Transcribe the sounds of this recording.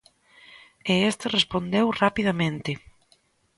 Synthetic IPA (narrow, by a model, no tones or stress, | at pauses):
eest̪arespond̪ewrapiðamẽnt̪ɪ